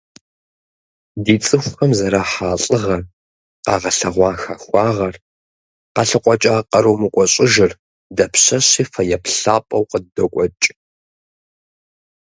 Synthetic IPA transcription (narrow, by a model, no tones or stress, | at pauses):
diːt͡sʼɨxʷxɐmzɐɾaħaːɬʼɨʁɐr | qɑːʁɐɬɐʁʷɑːxɐxʷɑːʁɐr | qɑɬɨqʷʼɔt͡ʃʼaːqɐɾowmɨkʷʼɔɕʼɪʒɪr | dɐpɕɐɕiːfɐjɛpɬaːpʼɐwqəddɐkʷʼɔt͡ʃʼ